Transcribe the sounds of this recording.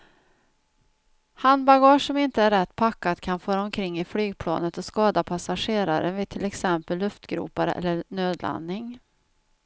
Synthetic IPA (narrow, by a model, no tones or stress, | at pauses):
hanbaɡɑːʂːɔmɪnt̪əæɾːɛt̪ːpʰakːat̪kʰanføːɾaɔmkʰɾɪŋːɪflyːɡ̚pʰlɑ̰ːnət̪ɔskɑːd̪apʰasaɧeːɾaɾəvɪt̪ʰɪlɛksɛmpəlːɵft̪ɡɾṵːpaɾə̰ʔɛ̰lːəɾnøːd̪lʔa̰nːɪŋ